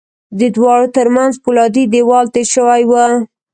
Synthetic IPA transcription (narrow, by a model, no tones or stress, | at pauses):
d̪əd̪wɑɽot̪əɾmanzpulɑd̪id̪ewɑlt̪eʃəwajwa